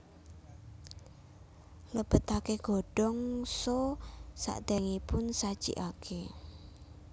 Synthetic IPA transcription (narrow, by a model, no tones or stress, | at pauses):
ləb̥ə̤t̪akeɡ̥o̤ɖ̥ɔŋsosa̰ʔd̪ɛŋipʊnsad̥ʒ̥ḭʔakʰe